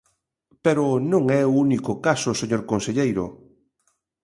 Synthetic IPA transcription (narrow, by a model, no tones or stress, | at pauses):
peɾʊnõŋɛounikʊkasoseɲoɾkonseʎejɾʊ̰